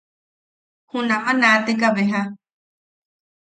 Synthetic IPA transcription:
hũnãmãnãt̪ekaβeɦã

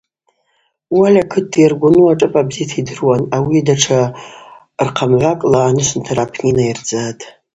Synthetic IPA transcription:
walʲakʰɨt̚ʰːjarɡʷʊnuaʈ͡ʂʼɨpʼabzitʰidɨrwanawidaʈ͡ʂʰa | rqʰamʕʷakʼlaːnɨʃʷɪntʰarapʰninaird͡zatʼ

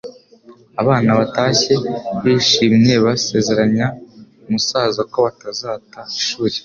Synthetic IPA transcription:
aβaːnaβataːçe̞βiʃiːmɲe̞βase̞ze̞ɾaɲa | umusaːzako̞βatazaːtaiʃuːɾe

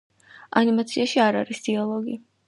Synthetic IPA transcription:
animat̪sʰiaʃiaɾa̰ɾisd̪̥ialˠɔɡi

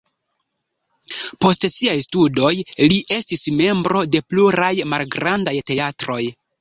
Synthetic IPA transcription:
po̞stsiajstudo̞jliʔe̞stisme̞mbɾo̞de̞pluɾajmalɡɾandajte̞atɾo̞j

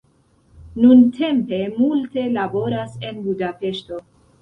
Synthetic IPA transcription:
nuntʰe̞mpe̞multe̞labo̞ɾase̞nbudape̞ʃto̞

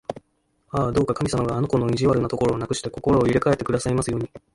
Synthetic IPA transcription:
aːd̪o̞ːkakamʲisamaɡaːno̞ko̞no̞iʑiβaɾɯ̟nat̪o̞ko̞ɾo̞ːnakɯ̟̥ɕi̥t̪e̞ko̞ko̞ɾo̞ːiɾe̞kaet̪ːe̞kɯ̟d̪asaimasɨjoːɲ̟i

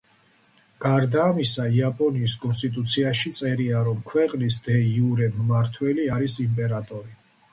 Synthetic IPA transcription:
ɡ̥aɾd̪aːmisaiapʼɔniːskʼɔnst̪ʼit̪ʼut̪sʰiaʃit̪sʼɛɾiaɾɔmkʰwɛqʼnisd̪ɛiuɾɛmmaɾt̪ʰwɛliaɾisimpʼɛɾat̪ʼɔɾi

